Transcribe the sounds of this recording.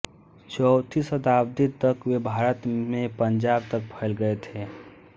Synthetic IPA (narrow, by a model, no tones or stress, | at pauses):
t͡ʃəwt̪ʰisət̪aːb̚d̪it̪əkwebʱaːɾət̪mẽpənd͡ʒab̚t̪ək̚pʰəɪlɡəet̪ʰeː